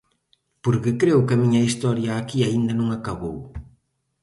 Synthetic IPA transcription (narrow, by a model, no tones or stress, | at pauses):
puɾkekɾewkamiɲaist̪ɔɾjaːkiaind̪anũŋakaβow